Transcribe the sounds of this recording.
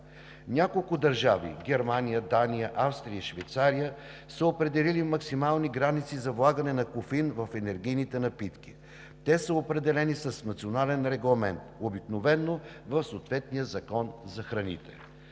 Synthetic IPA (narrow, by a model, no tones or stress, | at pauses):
nʲakolˠkʊd̪ɐɾʒavḭɡʲɛɾmanijəd̪anijəʔafst̪ɾiəʃvɛjt̪saɾijə | səopɾɛd̪ɛlilimɐksimalˠniɡɾanit̪sizɐvlˠaɡənɛnɐkʊfinvɐfɛnɛɾɡ̟ijnit̪ɛnɐpit̪ki | t̪ɛsəopɾɛd̪ɛlɛnisɐsnɐt̪sionalɛnɾɛɡlˠɐmɛnt̪obiknovɛnːo | vɐfsoːt̪vɛt̪nijəzɐkɔnzɐxɾɐnḭt̪ɛ̰